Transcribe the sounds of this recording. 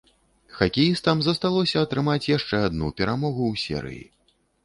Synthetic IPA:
xakʲɛjist̪ɐmzɐst̪alˠɔsʲɐɐt̪ɾɨmat͡sʲjaʂt͡ʂɛad̪nupʲɛɾamɔɣuwsʲɛ̰ɾɨ̰jḭ

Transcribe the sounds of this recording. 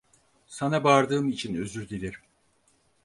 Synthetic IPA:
sanabaːɾd̪ɯːmit͡ʃʰinø̞zyɾɟ̪elʲiɾ

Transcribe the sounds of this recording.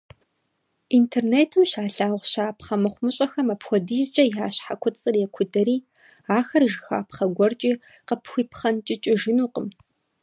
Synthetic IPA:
intʰerneːtʰɨmʃaːɬaːʁʷʃaːpχɐmɨχʷmɨɕʼɐxɐmaɐpxʷɔdiːzd͡ʒʼɐjaːɕħakʷʰʊt͡sʼɨrjɛkʷʰʊdɐɾiː | aːxɐrʒɪxa̰ːpχɐɡʷɔrt͡ʃʼiː | qəpʰxʷiːpʰχɐnt͡ʃʼɪt͡ʃʼɪʒɪnuːqəm

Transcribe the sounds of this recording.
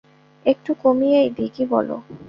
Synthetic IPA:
ek̚ʈukomijejd̪ikibɔlo̰

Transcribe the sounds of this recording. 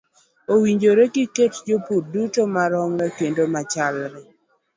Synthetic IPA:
owiɲd͡ʒoɾeɡiketd͡ʒopudutomaɾɔŋɾɛkendomat͡ʃalɾɛ

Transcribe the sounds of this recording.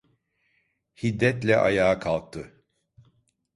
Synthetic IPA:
hid̪ːɛt̪lʲɛʔa̰jaːkʰalˠk̚t̪ʰːɯ

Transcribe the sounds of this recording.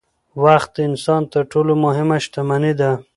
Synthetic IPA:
waxt̪̚d̪əɪnsɑnt̪əɾʈʰolomʊɦɪmaʃt̪amanid̪a

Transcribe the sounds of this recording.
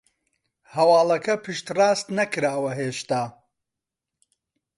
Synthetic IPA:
hɐwɑːlˠɐkʰɐpʰɨʃt̪raːst̪nɐkɨɾaːwɐɦeːʃt̪aː

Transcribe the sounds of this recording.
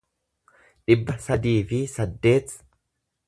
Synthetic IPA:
ᶑɪbːɐsɐd̪iːfɪsɐd̪ːe̞ːt̪

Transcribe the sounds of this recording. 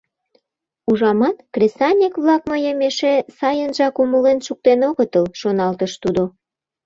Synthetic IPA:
uʒɑmɑt̪krʲesɑnʲikβlɑkməjəmeʃesɑjənʒɑkuməlenʃuk̚t̪enoɣət̪əlʃonɑlt̪əʃt̪ud̪o

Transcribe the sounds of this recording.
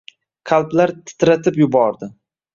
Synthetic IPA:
qʰalˠplaɾt̪ʰɪ̥t̪ɾat̪ʰɪpjʊbɒɾd̪ɪ

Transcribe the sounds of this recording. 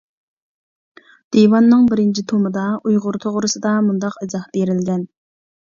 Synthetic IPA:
d̪̥ewɑnːɨŋbɪɾɪnt͡ʃʰit̪ʰomɨd̪ɑujʁʊɾt̪ʰoʁɾɨsɨd̪ɑmund̪ɑqezɑhbeɾɪlɡʲɛn

